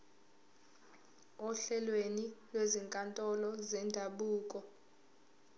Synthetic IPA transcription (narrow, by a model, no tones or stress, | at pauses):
ɔɬɛlwenilweziŋkʼantʼɔlɔzɛndʱaɓuːkʼɔ